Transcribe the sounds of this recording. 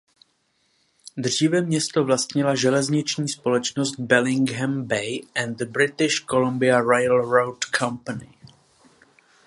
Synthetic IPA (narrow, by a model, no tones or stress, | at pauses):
d̪r̝iːvɛmɲɛst̪ovlast̪ɲɪlaʒɛlɛzɲɪt͡ʃɲiːspo̞lɛt͡ʃnost̪̚bɛlɪŋɡɦɛmbɛjʔɛndd̪əbɾɪt̪ɪʃkolombɪaɾajlɾowtkʰampanɪ